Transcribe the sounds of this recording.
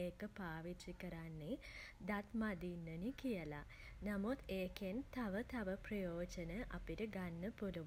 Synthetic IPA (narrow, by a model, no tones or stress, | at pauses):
eːkəpaːʋit͡ʃikɐɾanːid̪at̪mad̪iːnːənikijɐla̰ | nɐmut̪eːkent̪ɐʋət̪ɐʋɐprɐjoːd͡ʑɐnəʔɐpiʈəɡanːəpuluʋ